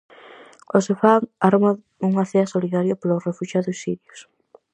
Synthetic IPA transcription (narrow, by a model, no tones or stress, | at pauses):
osefaŋaɾma | uŋaθeasoliðaɾjoplorefuʃaðʊsːiðjos